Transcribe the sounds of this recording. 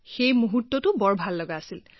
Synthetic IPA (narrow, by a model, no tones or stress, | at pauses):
xejmuɦutːɔtʊbɔɹbʱalːɔɡaːsil